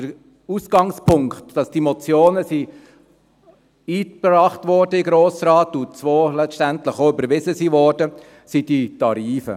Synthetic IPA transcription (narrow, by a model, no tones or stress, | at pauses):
dəɾ | usɡ̥ɑŋspʰʊŋkχtd̥ɑsd̥imɔt͡sjoːnəsi | iːpɾɑːχtʋɔːɾdəɪɡɾoːsɾɑːtut͡sʋoːlɛtæntləχoʏbəɾʋɪzəsiʋɔːrd̥ə | sid̥itɑɾiːfə̰